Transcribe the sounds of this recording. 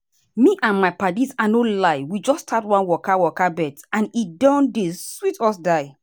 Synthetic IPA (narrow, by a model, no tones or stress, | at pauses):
miʔãnmaɪpadisanolaɪwid͡ʒɔstʰatwãnwɔkawɔkabɛtãnidɔ̃ndeswitɔsdaɪ